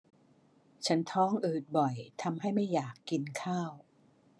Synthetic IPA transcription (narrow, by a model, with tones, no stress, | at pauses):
t͡ɕʰa˦˥nt̪ʰɔː˦˥˩ŋʔɯː˨˩t̪̚bɔ˨˩jt̪ʰa˧mɦa˥˩jma˥˩jːaː˨˩kːi˧nkʰaː˥˩w